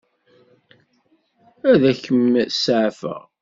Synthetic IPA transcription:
æðæçəmsʕfə̰ʁ

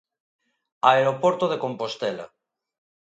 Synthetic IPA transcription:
aeɾopoɾt̪oð̞ekompost̪ela̰

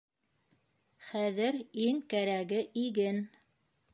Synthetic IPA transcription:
χæðɘɾiŋkæɾæɡɘʔiɡɘn

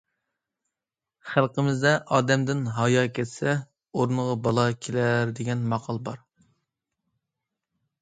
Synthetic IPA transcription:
χælˠqəmɪzd̪ɛʔɑːd̪ɛmd̪ɪnɦɑjɑkʲʰɛt̪sɛ | oɾnəʁɑbɑlˠɑkʲʰelæɾd̪eɡʲɛnmɑqʰɑlˠbɑɾ

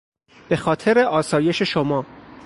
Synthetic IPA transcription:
b̥e̞xɒːt̪ʰe̞ɾe̞ʔɒːsɒːje̞ʃe̞ʃomɒː

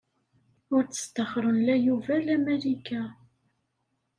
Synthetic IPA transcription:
ʊɾt͡sːə̥st̪əχɾˤənlæjuvælæmælikæ

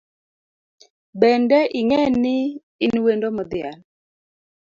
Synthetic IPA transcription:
bɛndɛʔɪŋɛnɪː | nwendomɔd̪ɪa̰l

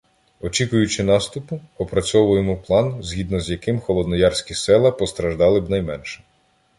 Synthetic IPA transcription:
ɔt͡ʃikʊjʊt͡ʃɪnɑst̪ʊpʊɔpɾɐt͡sʲɔʋʊjemɔplˠɑnzʲɦʲid̪nɔzjɐkɪmxɔlˠɔd̪nɔjɑrsʲkʲisɛlˠɐpɔst̪ɾɐʒd̪ɑlˠɪbnɐjmɛnʃɛ̥

